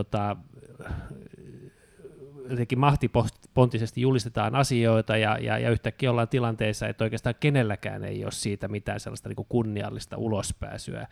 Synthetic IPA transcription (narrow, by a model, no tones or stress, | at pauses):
ot̪ɑ | jot̪eŋkːˑimmɑht̪ipospont̪ːisest̪ijulist̪et̪ɑːnʔɑsioit̪ɑjɑ̰jɑ̰jɑ̰yht̪ækːiːjolːɑːnt̪ilɑnt̪eisːɑḛt̪ːoikeːst̪ɑːŋkenelːækæ̰ːnḛio̰ːssiːt̪æmit̪æ̰ːnsḛlːɑst̪ɑniːŋkukunːiɑ̰lːist̪ɑ̰ulospæ̰ːsy̰æ̰